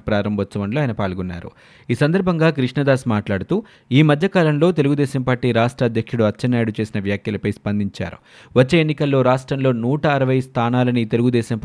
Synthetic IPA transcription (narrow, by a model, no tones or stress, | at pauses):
pɾaːɾɐmbʱɐt͡ʃːɐʋɐɳloaːjnɐpaːɭɡɔnːa̰ːɾṵ | iːsɐnd̪ɐɾbʱɐŋɡaːkɾiʂɳɐd̪aːsmaːʈlaːɽut̪uː | iːmɐd̪ʱjɐkaːlɐmlo̞ːt̪e̞luɡud̪ɛːʃɐmpaːɾʈiːɾaːʂʈɾɐɐd̪ʱjɐkʂuɽuɐt͡ʃːɐnːaːjɽut͡ʃe̞ːsinɐʋjaːkjɐlɐpɐjspɐnd̪iɲt͡ʃa̰ːɾṵ | ʋɐt͡ʃːe̞ːenːikɐlːo̞ːɾaːʂʈɾɐmlo̞ːnuːʈɐːɾɐʋɐjst̪ʰaːnaːlɐniːt̪e̞luɡud̪ɛːʃɐmp